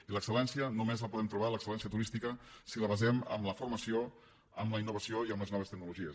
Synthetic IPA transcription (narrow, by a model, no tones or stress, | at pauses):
iləksəlɛnsiənumezləpuðɛmt̪ɾuβ̞aləksəlɛns̬iət̪uɾist̪ikəsiləβəzɛmə̰mləfurməsio | əmləinːuβ̞əsioiəmləeznɔβ̞əst̪əɡ̚nuluʒiə